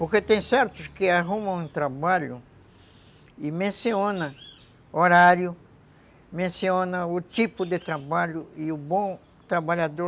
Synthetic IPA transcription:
poɾket̪ẽj̃sɛɾt̪ʊskɪaɦũmɐ̃w̃ũt̪ɾabaʎʊ | imẽsiõnɐ | oɾaɾjʊ | mẽsiõnɐʊt̪ipʊd̪et̪ɾabaʎʊiʊbõ | t̪ɾabaʎad̪o

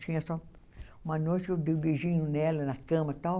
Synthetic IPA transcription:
t͡ʃĩɲɐsɔ | ũmɐnojt͡ʃɪewd̪ejbeʒĩɲʊnɛlɐnɐkɐ̃mɐt̪aw

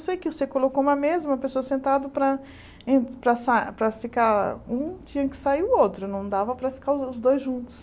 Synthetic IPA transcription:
sejkɪʊsekolokoũmɐmezɐũmɐpesoɐsẽnt̪ad̪ʊpɾɐ | ẽpɾɐsapɾɐfikaũt͡ʃĩɲɐkɪ̥saiʊowt̪ɾʊnɐ̃w̃d̪avɐpɾɐfi̥kaɾʊʊzd̪ojzʒũnt̪ʊ̥s

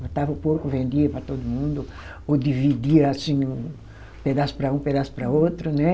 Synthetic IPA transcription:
ɐ̃t̪avɐʊpoɾkʊvẽnd̪iɐpɾɐt̪od̪ʊmũnd̪ʊ | od̪ivid̪iɐasĩũʊ̃ | ped̪asʊ̥pɾɐũped̪asʊ̥pɾɐowt̪ɾʊnɛ

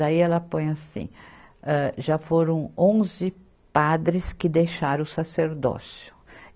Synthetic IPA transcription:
aiɛlɐpõj̃asḭ̃ | ɛʒafoɾɐ̃w̃õzɪ | pad̪ɾɪskɪd̪ejʃaɾɐ̃ʊsaseɾd̪ɔ̰sjʊ̥

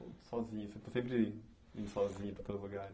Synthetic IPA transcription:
sɔziɲɐsẽt̪ɐsẽmp̬ɾi | ḭ̃nsɔziɲɐpɾɐt̪ɐvɐɣaɾ

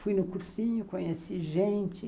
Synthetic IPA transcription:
fujnʊkuɾsĩɲʊkõɲesiʒẽnt͡ʃɪ

